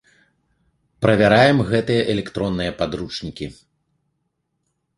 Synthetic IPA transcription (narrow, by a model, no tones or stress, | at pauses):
pɾɐvʲaɾajɛmɣɛt̪ɨjɐʔɛlʲɛkt̪ɾɔnːɨjɐpad̪ɾut͡ʂnʲikʲi